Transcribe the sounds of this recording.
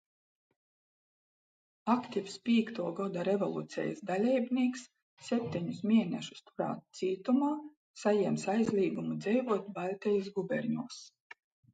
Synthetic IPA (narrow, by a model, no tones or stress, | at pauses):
akt̪ʲifspʲiːkt̪uɔɡɔd̪aɾevɔlˠuːt̪sʲɛ̰jsd̪alʲɛjbnʲiɛksːʲ | ɛp̚ʲt̪ʲiɲusmʲiɛnʲɛʃu̥st̪uɾa̰ːt̪t̪siːt̪umaː | sajɛɛmsajzlʲiːɡumud̪zɛjvuɔt̪balʲt̪ʲɛjusɡubʲɛɾɲuɔs